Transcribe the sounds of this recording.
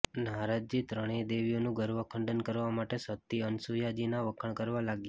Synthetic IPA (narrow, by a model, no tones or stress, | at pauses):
nɦaɾad͡ʒd͡ʒit̪ɾəɽ̃ed̪eʋijonũɡʱəɾʋəkʰəɳɖənkəɾʋamaʈesət̪ːiənsujad͡ʒinaʋəkʰəɳ̃kəɾʋalaɡje